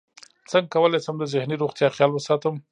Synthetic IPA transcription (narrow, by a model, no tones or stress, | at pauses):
t͡səŋɡ̚kawəlajsəmd̪əzɪhniɾoɣt̪jɑxjɑlwəsɑt̪əm